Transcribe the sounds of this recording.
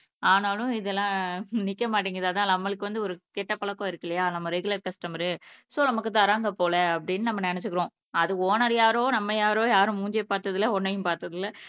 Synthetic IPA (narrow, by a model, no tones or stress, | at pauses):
aːnaːlʊ̃ɪðɛlːãːnɪkːɐmaːʈ̬ːiːŋɡɐɾɐðaːt̪ãːnɐmːɐlɯkːɯʋɐnd̪ɯɔɾɯkɛʈːɐpɐɭɐkːõːɪɾɯkːɪlɐjaːnɐmːɐɾɛɡɯlɐɾkɐsʈɐmɐɾɯsoːnɐmɐkːɯt̪aɐɾaːŋɡɐpoːlɛɐp̬ːɐɽɪnːɯnɐmːɐnɛnɛt͡ʃːɯkɪɾõː | ɐðɯkːoːnɐɾjaːɾoːnɐmːɐjaːɾoːjaːɾɯ̃muːɲd͡ʒeːpaːɾt̪ɐðɪlːɐɔnːɐjʊ̃mpaːɾt̪ɐðɪlːɐ